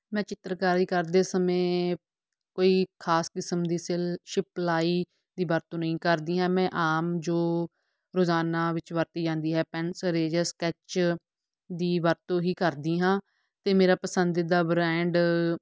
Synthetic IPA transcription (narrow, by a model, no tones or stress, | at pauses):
mɛ̃ːt͡ʃɪt̪ːəɾkaːɾiːkəɾd̪eːsəmẽː | koːiːkʰaːskɪsəmd̪iːselʃɪplaːiː | d̪iːʋəɾt̪õːnəĩːkəɾd̪iːɦɛ̃ːmɛ̃ːʔaːmd͡ʒoː | ɾoːzaːnaːʋɪt͡ʃʋəɾt̪iːd͡ʒãːnd̪iːɦɛːpɛnsɾeːd͡ʒəskɛt͡ʃ | d̪iːʋəɾt̪õːɦiːkəɾd̪iːɦãː | t̪eːmeːɾaːpəsənd̪ɪd̪aːbɾɛ̃ːɳɖ